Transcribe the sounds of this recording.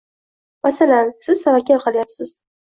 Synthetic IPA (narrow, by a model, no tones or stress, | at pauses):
masalansɪzsavakʲʰalqʰɑlˠajapsɪz̥